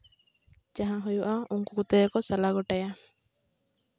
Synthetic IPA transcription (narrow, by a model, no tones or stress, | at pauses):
d͡ʒaɦãɦujuʔaʔuŋkukut̪ekɔsalaɡɔʈaja